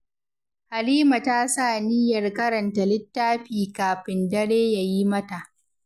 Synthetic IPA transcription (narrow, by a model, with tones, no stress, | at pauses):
ha˨liː˦ma˨taː˦saː˦˨nɪ˦jɐ˨rkɐ˦ɾɐ˨nta˨lɪ˦tːaː˦ɸiː˨kaː˨ɸɪ˨ndɐ˦ɽeː˦ja˨ji˦mɐ˦ta˨ʔ